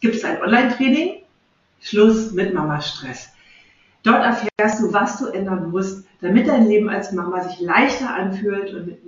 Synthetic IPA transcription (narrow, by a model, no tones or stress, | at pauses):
ɡ̥iːp̚tsaɪnʔɔnlaɪntʁ̥eːnɪŋ | ʃlʊsmɪtmamaʃtʁ̥ɛs | d̥ɔɐtɛɐfɛːɐstd̥uːvasd̥uːʔɛndɐnmʊst̚d̥amɪt̚d̥aɪnleːbm̩a̰lsmamazɪçlaɪçtɐʔanfyːltʊntmɪt